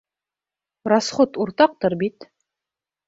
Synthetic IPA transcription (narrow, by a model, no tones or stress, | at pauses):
rɑsχot̪uɾt̪ɑq̚t̪ɤɾbit̪